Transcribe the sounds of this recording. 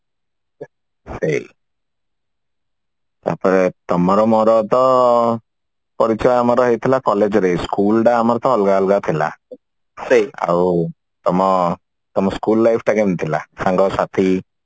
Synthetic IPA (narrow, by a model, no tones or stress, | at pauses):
sej | t̪a̰ɾpɔɾet̪ɔmɔɾɔmɔɾɔt̪ɔ | pɔɾit͡ʃɔjamɔɾɔɦejt̪ʰilakɔled͡ʒɔɾejskulʈaːmɔɾɔt̪ɔːlɡaɔlɡat̪ʰila̰ | sea̰w | t̪ɔmɔ | t̪ɔmɔskulːajpʰʈakemnt̪ʰila̰saŋɡɔsat̪ʰi